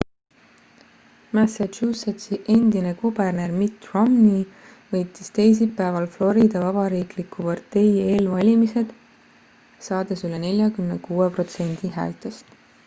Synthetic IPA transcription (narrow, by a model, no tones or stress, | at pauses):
mæsæuset̪siʔe̞nd̪ine̞kuberne̞rmit̪romni | vɤjt̪ːˑist̪e̞js̬ipːæːvɑlflo̞ɾid̪ɑvɑb̥ɑɾiːklikːupɑrt̪ːe̞je̞ːlvɑlʲimise̞d̪̥ | sɑːd̪̥e̞sylene̞lʲjɑkymnekuːepro̞t̪se̞nʲd̪̥iɦæ̰ːlt̪ˑest̪